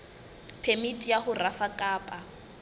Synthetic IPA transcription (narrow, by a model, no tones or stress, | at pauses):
pʰemitʼijaχʊrafakʼaːpʼa